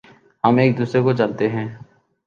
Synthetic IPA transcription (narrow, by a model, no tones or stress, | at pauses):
ɦɐmeːk̚d̪uːsɾekod͡ʒaːnt̪eɦɛ̃ː